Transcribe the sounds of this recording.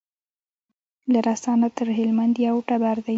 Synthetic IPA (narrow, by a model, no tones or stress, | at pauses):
laɾasɑnat̪əɾɦɪlmand̪jawʈabaɾd̪a